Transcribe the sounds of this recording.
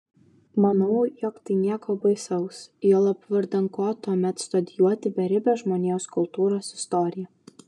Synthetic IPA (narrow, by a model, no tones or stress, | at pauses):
mɐnɐʊjɔkt̪ɐɪnʲiɛkoːbɐɪsɐʊsjoːlˠɐpʋɐɾd̪ɐŋkoːt̪uɔmʲɛt̪st̪ɔd̪ʲɪjuɔt̪ʲɪbʲɛɾʲɪbʲɛʒmoːnʲeʊskʊlˠt̪uːɾoːsɪst̪ɔɾʲɪjɛ